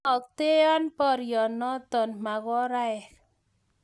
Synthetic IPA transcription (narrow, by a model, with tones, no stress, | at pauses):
ɔ˨k̚t̪e˦ɔ˦npɔ˦˨ɾjɔ˨nɔ˦t̪ɔ˨nma˨ɣɔ˦ɾa˦ɛ˨